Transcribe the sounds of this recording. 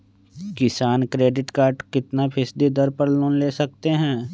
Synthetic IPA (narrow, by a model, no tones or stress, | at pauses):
kɪsaːnkɾeːɖɪʈkaːɾʈkɪt̪napʰɪsd̪id̪əɾpəɽlõːnleːsɐk̚t̪eɦɛ̃ː